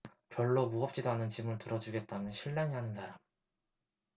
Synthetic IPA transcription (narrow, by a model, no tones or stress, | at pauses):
kjʌɭːomuʌp̚t͡ɕ͈idoɦanɯnt͡ɕimɯɭtɯɾʌd͡ʑuɡe̞t̚t͈amjʌnɕʰiɭːaŋiɦanɯnsʰaɾam